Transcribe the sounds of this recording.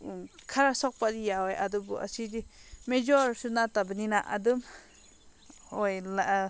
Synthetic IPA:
kʰaɾasɔk̚padijaɔja̰dɯbuʔa̰sidimed͡ʒɔɾsunatabɯninaʔa̰dɯm | ɔjla

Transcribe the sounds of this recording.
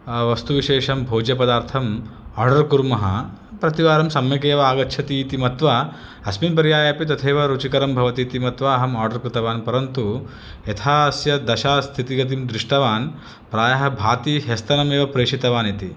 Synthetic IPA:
ʋɐst̪uʋiʃeːʃɐmbʱoːd͡ʒjɐpɐd̪aːɾt̪ʰɐmaːɾɖɐɾkuɾmɐɦɐ̰ | pɾɐt̪iʋaːɾɐmsɐmjɐkeːʋɐaːɡɐt͡ʃʰɐt̪iːt̪imɐt̪ʋɐ | ɐsminpɐɾjaːjɐpit̪ɐt̪ʰeːʋɐɾut͡ʃikɐɾɐmbʱɐʋɐt̪iːt̪imɐt̪ʋɐːɦɐmaːɾɖɐɾkɾɪt̪ɐʋaːnpɐɾɐnt̪u | et̪ʰaːsjɐd̪ɐʃaːst̪ʰit̪iɡɐt̪̬imd̪ɾɪʂʈɐʋaːn | pɾaːjɐɦɐbʱaːt̪iɦest̪ɐnɐmeːʋɐpɾeːʂit̪ɐʋaːnit̪i

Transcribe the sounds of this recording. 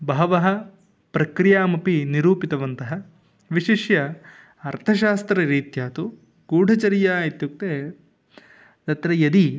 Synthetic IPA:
bɐɐʋɐɦɐ̆ | pɾɐkɾijaːmɐpiniɾuːpit̪ɐʋɐnt̪ɐɦɐ | ʋiʃiʃjɐ | ɐɾt̪ʰɐʃ̬aːst̪ɾɐɾiːt̪jaːt̪u | ɡuːɖʱɐt͡ʃɐɾijaːit̪juk̚t̪eː | d̪ɐt̪ɾɐjɐd̪i

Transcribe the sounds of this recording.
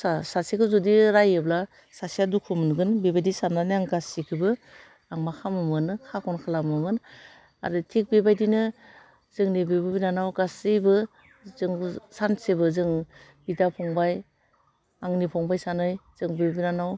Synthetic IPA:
asasikʰɯwzɔdiɾajɯbla | sasiadukʰɯmɯnɡɯnbebajdisanːaniaŋɡasikʰɯbɯ | aŋmakʰamɯmɯnɯkʰakʰɔnkʰalamɯmɯn | a̰ɾɯtʰik̚bebajdinɯ | z̥ɯŋnibebɯbinanawɡasɯjbɯ | zɯŋsansebɯzɯŋbidapʰɔŋbaj | aŋnipʰɔŋbajsanɯjz̥ɯŋbebinanaw

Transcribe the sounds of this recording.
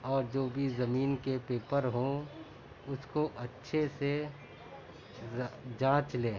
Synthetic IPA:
ɔːɾd͡ʒoːbʱizɐmiːnkepeːpəɾɦõ | ʊskoʔɐtːʃʰese | d͡ʒãːt͡ʃleː

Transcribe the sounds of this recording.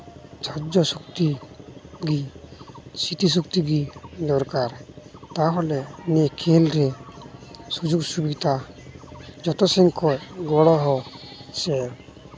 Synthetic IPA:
t͡ʃʰaɾd͡ʒɔsukt̪i | ɡi | sit̪is̬uk̚t̪iɡid̪ɔɾkaɾt̪aɦɔlɛnɛkʰɛlɾɛ | sud͡ʒuɡsubit̪a | d͡ʒɔt̪ɔsɛŋkʰɔjɡɔɽɔɦɔsɛɾ

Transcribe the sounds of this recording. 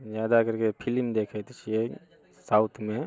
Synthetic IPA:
zjaːd̪akəɾkepʰilmd̪eːkʰet̪ʰit͡ʃʰie | sawt̪ʰmẽ

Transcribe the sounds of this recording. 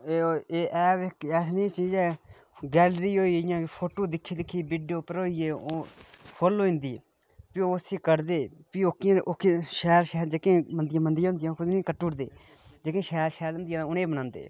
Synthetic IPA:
eːeːʔɛːʋɪkɛːsnĩːt͡ʃiːd͡ʒɛː | ɡɛːlɾiːɦoːiːɪjãːpʰoːʈoːd̪ɪkʰːiːd̪ɪkʰːiːbiːɖijoːpəɾoːieːo | fʰoloːɪ̃nd̪iː | pɪoːsiːkəɾd̪eːpiokãːʔokːʃɛːɾʃɛːɾd͡ʒeːkẽːmənd̪jãːmənd̪ɪj̃ːɦʊnd̪ɪjãːkʊd̪nĩːkəʈːuːɽd̪ḛː | d͡ʒekẽːʃɛːɾʃɛːɾʊ̃nd̪ɪjãːʊnẽːbənãːnd̪ḛː

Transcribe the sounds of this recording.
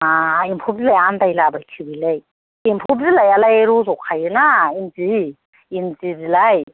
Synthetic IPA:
aimpʰup̚zilajandajlabajkʰibilaj | impʰub̚zilajalajeɾuzɔkʰajɯnaimzi | inzizilaj

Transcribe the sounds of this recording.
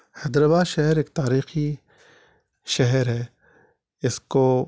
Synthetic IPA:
hɛd̪ɾəbaʃɛɦɛɾeːk̚t̪aːɾiːxi | ʃɐɦɾɦɛː | ɪsko

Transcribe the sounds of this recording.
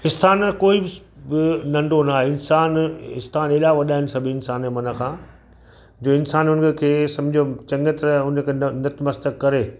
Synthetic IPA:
ɪst̪ʰaːnkoːibɪ | bɪnɐ̃ɳɖonaɦɪnsaːnɪst̪ʰaːneːlaʋɐɗaːɪnɪ̆sɐbʱiɪnsaːnemɐnə̆kʰãː | d͡ʑoːɪnsaːnʊnəkkʰeːsɐ̃mbd͡ʑʱot͡ɕɐ̃ŋɡət̪ɾʊnə̆kʰenɐt̪mɐst̪əkːɐɾeː

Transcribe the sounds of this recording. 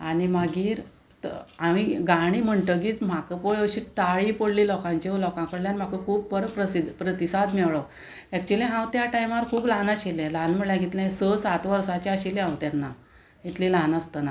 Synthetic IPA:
aɽ̃imaɡiːɾ | amiɡaɽ̃iːm̤əɳʈəɡiːt͡s̪m̤akəpoɭəɕit̪aɭipəɽliːlɔkãɲt͡ɕeolɔkãkəɽljanim̤akəkʰuːb̚pəɾpɾəsid̪ʱpɾət̪isad̪mɛʋɭə | ɛk̚t͡ɕuliɦãwt̪jaʈajmaɾkʰuːblanaɕilɛ̃lanm̤əɭljaɡʱit̪lɛ̃səsat̪ʋəɾsat͡ɕeaɕilẽɦãwt̪janːa | it̪lilanəst̪əna

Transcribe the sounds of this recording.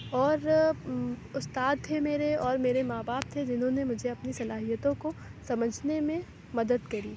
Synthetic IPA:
ɔːɾ | ʊst̪aːd̪̚t̪ʰemeːɾeɔːɾmeːɾemaːbaːp̚t̪ʰed͡ʒɪnɦõnemʊd͡ʒʱeɐpnisɐlaːɦijət̪õkosɐməd͡ʒʱnemẽ | mɐd̪əd̪kɐɾiː

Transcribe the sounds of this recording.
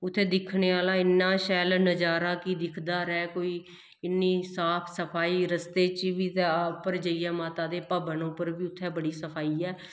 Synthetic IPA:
ʊt̪ʰːeːd̪ɪkʰneːaːlaːɪnːaːʃɛːlnəd͡ʒaːɾaːkid̪ɪkʰd̪aːɾɛːkoːiː | ɪnːiːsaːpʰsəpʰaːiːɾəst̪eːt͡ʃʋiːt̪eaːpːəɾd͡ʒəiɛːmaːt̪aːd̪eːpaːbənõːpəɾbiːʊt̪ʰːɛːbəɽiːsəpʰaːiːɛː

